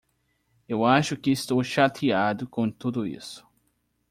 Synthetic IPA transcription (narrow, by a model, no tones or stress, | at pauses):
ewaʃʊkɪːst̪owʃat̪ʰiad̪ʊkõt̪ud̪ʊḭsʊ̥